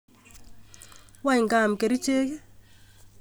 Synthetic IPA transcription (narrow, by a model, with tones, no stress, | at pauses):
wa˦i˨ŋɡa˦˨m̩˨ke˨ɾi˦t͡ʃe˦kɛ˦